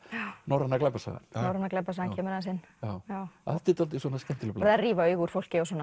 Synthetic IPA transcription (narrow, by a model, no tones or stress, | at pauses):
nawɾanːaklɛpːasa̰ɣa̰nnawɾanːaklɛpːasaːancʰɛːmʏɾans̬ɪnː | aːwjaːwaðɛt̪ɪt̪alt̪ɪsɔːnascɛn̥t̪ɪlʏplɾðariːvaœɥɣuɾ̥fowl̥cɪɔs̬ɔːn